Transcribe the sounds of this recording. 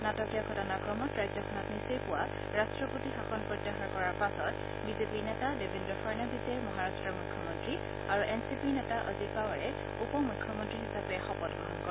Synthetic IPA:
natɔkijakʰɔtanakɹɔmɔtɹajzɔkʰɔnɔtnisejpʊwa | ɹastɹɔpotixaxɔnpɹɔdːɛxaɹkɔɹaɹpasɔt | bizepiɹnɛtadebendɹɔfʰɔɹnabisemɔɦaɹastɹɔmujkʰːjɔmɔntɹi | aɹuʔɛnsipiɹnɛtaʔəzitpawaɹɛ | upɔmujkʰːɔmɔntɹiɦisapɛxɔpɔtɡɹɔɦɔnkɔɹ

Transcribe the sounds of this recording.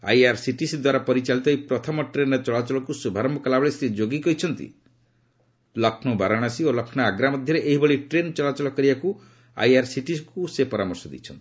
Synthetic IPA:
a̰jaɾsiʈisd̪waɾapɔɾit͡ʃalit̪ɔipɾɔt̪ʰɔmɔʈɾent͡ʃɔɭat͡ʃɔlɔkusubʱaɾɔmbɔkɔlabɭesɾid͡ʒoɡikɔit͡ʃʰɔnt̪ḭ | lɔkʰnɔbʱaɾaɽ̃asiolɔkʰnɔaɡɾamɔd̪ʱjɔɾeʔeɦibʱɔɭiʈɾent͡ʃɔɭat͡ʃɔlɔkɔɾibaku | a̰jaɾsiʈiskusepɔɾamɔɾsɔd̪ḭt͡ʃʰɔnt̪i̥

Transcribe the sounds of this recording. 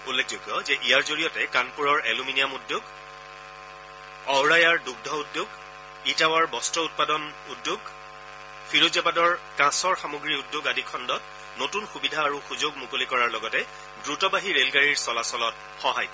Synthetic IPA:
ulːekʰzoɡjɔzɛʔijaɹzoɹijɔtɛkanpuɹɔɹeluminijamudjʊɡ | ɔwɹajaɹduɡ̚dʱɔudːʊɡ | itawaɹbɔstɔʊt̚padɔn | udːʊɡ | fʰiɹozapadɔɹkãsɔɹxamoɡɹiudːʊɡadikʰɔndɔt̚ | notunxubidʱaːɹuxuzoɡmukolikɔɹaɹlɔɡɔtɛ | dɹutɔbaɦiɹelɡaɹiɹsɔlasɔlɔt̚ | xɔɦaj

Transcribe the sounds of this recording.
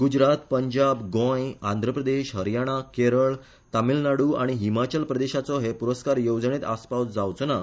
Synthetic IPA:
ɡud͡ʑɾat̪pəɲd͡ʑabɡɔ̃jãnd̪ʱɾəpɾəd̪eɕɦəɾjaɽ̃akeɾəɭ | t̪amilnaɽuːaɽ̃iɦimat͡ɕəlpɾəd̪eɕat͡sɔɦepuɾəskaɾjowd͡zɳet̪aspawd͡zawt͡sna

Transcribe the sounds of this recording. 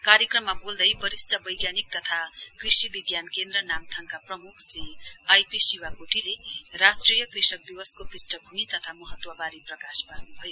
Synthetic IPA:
kaɾjekrʌmːabold̪ʌjpʌɾisʈʌbʌjɡjanik̚t̪ʌt̪ʰakrisibiɡjankend̪rʌnamt̪ʰʌŋkaprʌmukʰsriajpisiwakoʈʰilerasʈrijʌkrisʌk̚d̪iwʌskoprisʈʌbʱumit̪ʌt̪ʰamʌɦʌt̪ːwʌbaɾiprʌkaspanubʱʌjo

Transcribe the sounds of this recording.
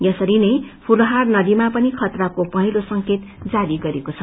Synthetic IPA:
jʌsʌɾinʌjpʰulɦarnʌd̪imapʌnikʰʌt̪rakopʌɦilosʌŋket̪d͡zaɾiɡʌɾekot͡sʰʌ

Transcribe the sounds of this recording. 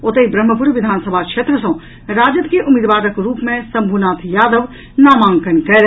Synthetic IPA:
ot̪ejbɾɐmːəpuɾʋɪd̪ʱaːnsəbʱakʃeːt̪ɾəsɐ̃ | ɾaːd͡ʒət̪keʔʊmiːd̪ʋaːɾəkɾuːpmẽsɐ̃mbʱuːnaːt̪ʰjaːd̪əʋ | naːmãːŋkənkɛɾ

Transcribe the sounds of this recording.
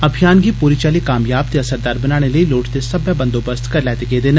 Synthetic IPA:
əbʱijaːnɡiːpuːɾiːt͡ʃaːliːkaːmjaːb̚t̪eəsəɾd̪aːɾbənaːɽ̃eləiːloːʈt̪esɐbjabənd̪oːbəst̪kəɾlɛːt̪ekeːd̪eːn

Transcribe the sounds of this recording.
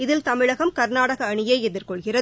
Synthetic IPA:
ɪðɪlt̪ɐmɪɻɐɣɐmkɐɾnaːɽɐɣɐːɳɪjeːɛðɪrkɔɭɣɪrɐ

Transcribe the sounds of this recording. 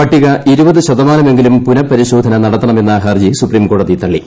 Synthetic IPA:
pɐʈːiɣɐʔiɾubɐðɨɕɐðɐmaːnɐme̞ŋɡilumpunɐpːɐɾiɕoːd̪ʱɐnɐnɐɽɐt̪ːɐɳɐme̞nːɐɦɐrd͡ʑisupriːmko̞ːɽɐðit̪ɐɭːi

